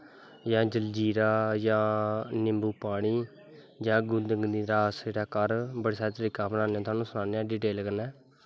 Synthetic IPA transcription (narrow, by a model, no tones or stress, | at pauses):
jãːd͡ʒəld͡ʒiːɾaːjãːnɪmbuːpaːɽiː | d͡ʒãːɡʊ̃nd̪əŋɡniːɾaːsd͡ʒeːɽaːkəɾbəɽeːsaːɾet̪əɾiːkamnaːnjãːt̪ʊaːnũːsʊnaːneãːɖiːʈeːlkəɾnɛː